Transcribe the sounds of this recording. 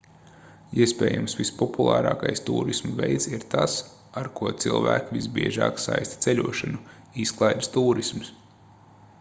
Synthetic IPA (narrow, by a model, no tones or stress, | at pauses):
iɛspɛ̰ːja̰msʋispɔpulˠaːɾɑːkajst̪ṵːɾismvʲejt̪siɾt̪ʰas | aɾkuɔt̪silˠvæːkvʲisbiɛʒɑ̰ːksa̰jst̪ʲt̪ɛlʲuɔʃanu | isklˠajd̪st̪uːɾisms